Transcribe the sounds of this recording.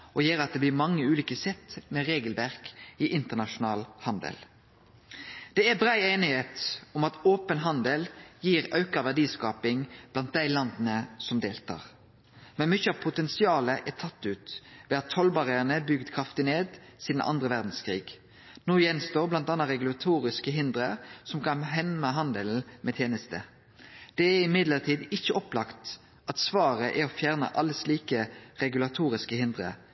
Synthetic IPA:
ʔɔjeːɾɑt̪̚d̪ɛblɪʁmɑŋːəʉːliːkəsɛt̪ːmɛʁeːɡəlʋæʁkɪʔɪnt̪əʁnɑʂʊnɑːlhɑnd̪ə̰l | d̪̥ɛæbʁæɪeːnɪheːt̪ɔmɑt̪oːpənɦɑnd̪əljiːʁɑʉkɑʋæɖiːskɑːpɪŋb̥lɑnt̪̚d̪æɪlɑnd̪n̩əsɔmd̪eːlt̪ʰɑ̰ːʁ | mɛnmʏçəɑʋpʰʊt̪ɛnsɪɑːləʔæt̪ʰɑt̪ːʉːt̪ʋɛɑt̪ʰːɔlbɑʁəənəbʏɡd̪kʰɾɑft̪ɪneːd̪siːd̪n̩ʔɑ̰nd̪ʁəʋæʁd̪n̩skʰʁiːɡ | noːjɛnst̪oːʁblɑnt̪ɑnːɑʁɛɡʉlɑt̪ʰuːʁɪskəɦɪnd̪ʁəsɔmkʰɑnɦɛnməɦɑnd̪əl̩mʔɛt̪ʰjeːnəst̪ə̰ | d̪̥ɛæɪmɪd̪ləʁt̪ʰiːd̪ɪçːəɔplɑkt̪ | ɑt̪sʋɑːʁəʔɛɾɔfjæːʁnə̰ʔɑlːəsliːkəʁɛɡʉlɑt̪ʰuːʁɪskəhɪnd̪ʁə̰

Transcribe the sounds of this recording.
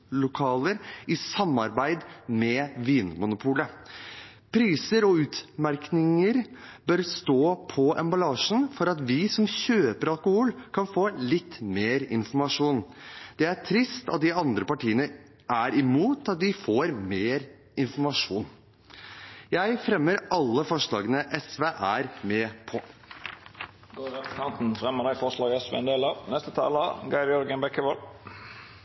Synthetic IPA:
lʊkʰɑːləɾʔɪsɑmːɑɾbæɪd̪mɛʋiːnmʊnʊpʰuːlə | pʰɾiːsəɾɔʉːt̪mæɾknɪŋəɾbœɾst̪oːpʰɔʔɛ̰mbɑlɑːʂn̩fɔɾɑt̪ʋɪsɔmçøːpəɾɑlkʊhʊlkʰɑnfoːlɪt̪ːmeːɾɪ̰nfɔɾmɑʂuːnd̪̥ɛæʈʰɾɪst̪ɑt̪̚d̪ɪɑnd̪ɾəpɑʈʰiːənə | ʔæɾɪmuːt̪ɑt̪̚d̪ɪfoːɾmeːɾ | ɪnfɔɾmɑʂuːn | jæɪfɾɛmːəɾɑlːəfɔʂɭɑːɡənəʔɛsʋeʔæɾmɛːpʰɔ | ɡ̥oːʁɛpəst̪ɛnt̪n̩fɾɛməd̪æɪfɔʁʂlɑːɡɛsʋḛɛnd̪eːlɑnɛst̪ət̪ʰɑ̰ːləɑ̰ɡɑɪʋjɔɾɡənbɛkːəʋɔl

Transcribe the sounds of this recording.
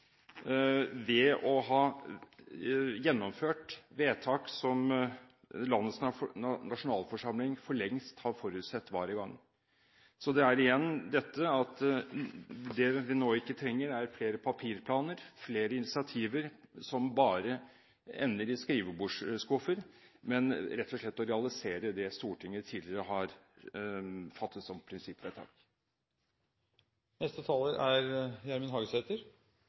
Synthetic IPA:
ʋɛɔɦɑː | jɛnːɔmføːʈʋeːt̪ʰɑːksɔm | lɑnːət̪snnɑʂʊnɑːlfɔʂɑmlɪŋfɔɭɛŋst̪hɑɾfɔɾʉːt̪sɛt̪ːʋɑːɾəɡɑŋː | sɔd̪ɛæɾɪjɛnːd̪ɛt̪ːəɑt̪ | d̪ɛʋɪnoːɪkːət̪ʰɾɛŋːəɾæɾfleːɾəpʰɑpʰiːɾpʰlɑːnəɾfleːɾəɪnɪsɪɑt̪ʰiːʋəɾsɔmbɑːɾə | ɛ̰nːəɾɪskɾiːʋəbuːʂskɔfəɾmɛnɾɛt̪ʰːɔʂlɛt̪ːɔɾɛɑlɪseːɾəd̪ɛst̪uːʈʰɪŋːət̪ʰiːlɪɾəɦɑɾ | fɑt̪ːət̪sɔmpʰɾɪnsɪpːʋæɪt̪ʰɑ̰ːk | nɛst̪ət̪ʰɑːləɾæɾjææɾmɪnɦɑːɡəsɛt̪əɾ

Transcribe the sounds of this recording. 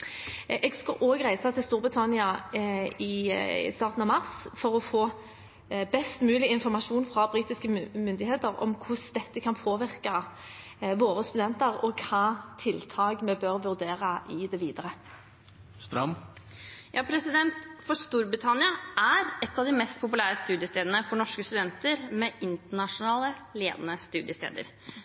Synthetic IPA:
ɛɡskɑʔoːɡʁæɪsɑt̪ʰɪlst̪uːɾbʁɪt̪ʰɑnɪɑ | ɪst̪ɑːʁt̪n̩ɑmɑʁsfɔʁɔfoː | bɛst̪mʉːlɪɪnfɔʁmɑʂuːnfɾɑbʁiːt̪ɪskəmʏnd̪ɪheːt̪əʁɔ̰mkʰʊsd̪ɛt̪ːəkʰɑnpʰoːʋɪʁkɑ | ʋoːɾəst̪ʉd̪ɛnt̪əʁɔkʰɑːt̪ʰɪlt̪ʰɑːɡmɛbøʁʋʉɾd̪eːʁəʔɪd̪ɛʋiːd̪əɾə | st̪ɾɑ̰m | jɑːpʰɾɛsɪd̪ɛnt̪fɔst̪uːɾbɾɪt̪ʰɑnɪɑæɾɛt̪ːɑʋd̪ɪmɛst̪pʰʊpʉlæːɾəst̪ʉːd̪jəst̪eːd̪ənəfɔɳɔʂkəst̪ʉd̪ɛnt̪əɾmɛʔɪnt̪əɳɑʂʊnɑːləleːd̪ənəst̪ʉːd̪jəst̪ḛːd̪ə̰ɾ

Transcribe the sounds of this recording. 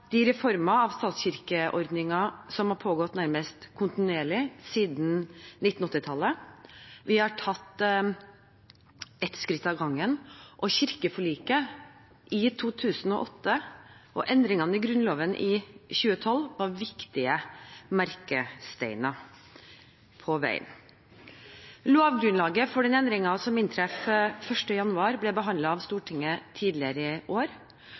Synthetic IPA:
d̪̥ɪɾɛfɔɾmɑɑʋst̪ɑːt̪sçɪɾkəʔɔɾd̪nɪŋɑsɔmhɑɾpʰoːɡɔt̪ːnæɾməst̪kʰʊnt̪ɪnʉeːɭɪsiːd̪n̩nɪt̪n̩ɔt̪ːɪt̪ʰɑlːə | ʋɪhɑʈʰɑt̪ː | ɛt̪skɾɪt̪ːɑʋɡɑŋːənʔɔɕɪɾkəfɔɭiːkə | ʔɪt̪ʰuːt̪ʰʉːsnɔ̰ʔɔt̪ːəʔɔ̰ʔɛnd̪ɾɪŋɑnəɪɡɾʉnloːʋənʔɪçʉːət̪ʰɔlʋɑʋɪkt̪ɪəmæɾkəst̪æɪnɑ | pʰɔʋæ̰ɪə̰n | loːʋɡɾʉnlɑːɡəfɔɖɛnɛnd̪ɾɪŋɑsɔmɪnt̪ʰɾɛffœʂʈəjɑnʉɑːɾblɛbəɦɑnd̪lɑɑʋst̪uːʈʰɪŋːət̪ʰiːd̪lɪəɾəʔoːɾ

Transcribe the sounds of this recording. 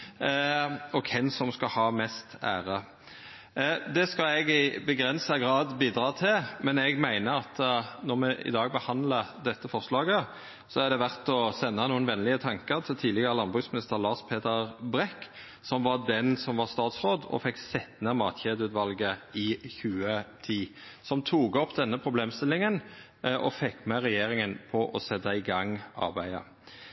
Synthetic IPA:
ɔkʰɛnsɔmskɑhɑːmɛst̪æ̰ːʁə | d̪ɛskɑɛɡɪbəɡɾɛnsəɡʁɑːd̪biːd̪ɾɑːt̪ʰɪlmɛnɛɡmæɪnəɑt̪nɔʁmɛʔɪ̰d̪ɑːɡ̚bəhɑnd̪ləd̪ɛt̪ːəfɔʁslɑːɡə | sɔæʁd̪ɛʋæʁt̪ɔsɛnːɑnuːənʋɛnlɪət̪ʰɑŋkəɾt̪ʰɪlt̪ʰiːd̪ɪɡəʁəlɑnbʁʉːsmɪnɪst̪əʁlɑːʂpʰeːt̪əʁbʁɛkː | sɔmʋɑd̪ɛnsɔmʋɑʁst̪ɑːt̪sʁoːd̪ɔ̰fɛkːsɛt̪nəmɑːt̪çeːd̪ʉːt̪ʋɑlɡəɪçʉːət̪ʰiː | sɔmt̪ʰuːɡɔpːd̪ɛnːəpʰʁʊbleːmst̪ɪlːɪŋən | ʔɔfɛkːmɛʁɛjeːɾɪŋənpʰɔʔɔsɛd̪ɑɪɡɑŋːɑ̰ʁbæɪə̰

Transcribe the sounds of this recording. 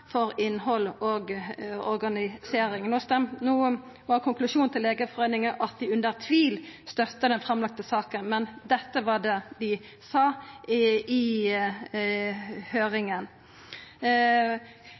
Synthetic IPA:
fɔɾɪnhɔloɡɔɾɡɑnɪseːɾɪŋnoːst̪ɛmnuː | ʋɑkʰʊŋklʉʃuːnt̪ʰɪlːeːɡəfɔʁeːnɪŋəʔɑt̪̚d̪ɪʉnd̪əʁt̪ʰʋiːlst̪œt̪ːəd̪ɛnfɾɑmlɑk̚t̪əsɑːkənmɛnd̪ɛt̪ːəʋɑd̪ɛːd̪ɪ | sɑː | ɪ | høːʁɪŋən

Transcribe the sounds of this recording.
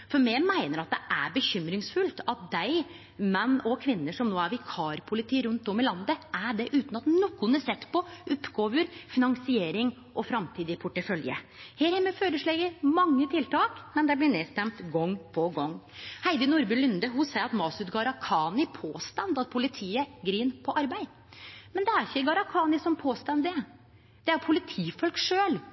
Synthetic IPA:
fɔɾmɛmæɪnəɾɑt̪̚d̪ɛʔæɾbəçʏmɾɪŋsfʉlt̪ɑt̪̚d̪æɪ | mɛnːɔkʰʋɪnːəʂɔmnoːæɾʋɪkʰɑːɾpʰʊlɪt̪ʰiːɾʉnt̪ɔmɪlɑnd̪əʔæɖɛʔʉːt̪n̩ɑt̪nɔkːʊnəsɛt̪ːpɔʔʊpːɡoːʋəɾfɪnɑŋsɪeːɾɪŋ | ʔɔfɾɑmt̪ʰiːd̪ɪpʰʊʈːəfœljə̰ | heːɾhɛməføːɾəʂɭeɡəɾmɑŋːət̪ʰɪlt̪ɑːkmɛnd̪ɛblɪneːst̪ɛmt̪ɡɔŋːpʰɔɡɔŋːhæɪd̪ənʊɾbʉlʏnd̪əɦʊsæɪɑt̪mɑːsʉt̪ɡɑɾɑkʰɑːnɪpʰoːst̪ɑnd̪ɑt̪̚pʰʊlɪt̪ʰiːəɡɾiːnpʰɔʔɑɾbæɪ | mɛnd̪ɛæɾɪçːəɡɑɾɑkʰɑːnɪsɔmpʰoːst̪ɑnd̪ɪ | d̪̥ɛæɾpʰʊlɪt̪ʰiːfɔlkʂøːl

